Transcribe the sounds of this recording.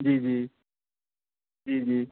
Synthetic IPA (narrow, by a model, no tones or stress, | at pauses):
d͡ʒiːd͡ʒiː | d͡ʒiːd͡ʒiː